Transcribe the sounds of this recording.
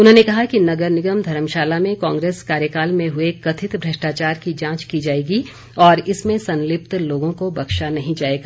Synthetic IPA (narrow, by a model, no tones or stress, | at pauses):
ʊnɦõnekɐɦakinɐɡəɾnɪɡəmd̪ʱɐɾəmʃaːlamẽkãːŋɡɾeːskaːɾjəkaːlmẽɦʊekɐt̪ʰɪt̪bʱɾɐʃʈaːt͡ʃaːɾkid͡ʒãːt͡ʃkid͡ʒaːeːɡi | ɔːɾɪsmẽsɐ̃nlɪpt̪loːɡõkobɐkʃanɐɦĩd͡ʒaːeːɡaː